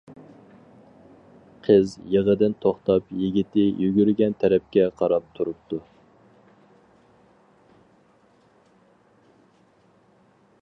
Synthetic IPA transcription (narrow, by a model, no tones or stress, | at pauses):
qʰəzjeʁəd̪ɪnt̪ʰoχt̪ɑpjiɡʲit̪ɪjʔyɡʲyɾɡʲɛnt̪ʰɛɾɛp̚kʲɛqʰɑɾɑp̚t̪ʰuɾup̚t̪u